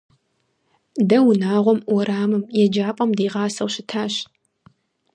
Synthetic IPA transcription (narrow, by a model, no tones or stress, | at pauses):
dɐwʊnaːʁʷɔmwɔɾaːmɨmjɛd͡ʒaːpʼɐmdiːʁɑːsɐwɕɪtʰaːɕ